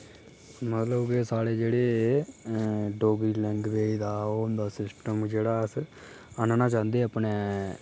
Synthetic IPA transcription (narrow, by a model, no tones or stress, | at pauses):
mət̪ləbkesaːɽeːd͡ʒeːɽeː | ɖoːɡɾiːlɛ̃ŋɡʋeːiːd̪aːond̪aːsɪsʈəmd͡ʒeːɽaːəs | ənnãːt͡ʃãːnd̪eːəpneː